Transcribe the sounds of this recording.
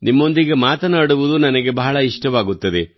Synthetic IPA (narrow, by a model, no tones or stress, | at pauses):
nimːo̞nd̪iɡe̞maːt̪ɐnaːɽuʋud̪unɐnɐɡe̞bɐɦɐɭɐiʂʈɐʋaːɡut̪ːɐd̪e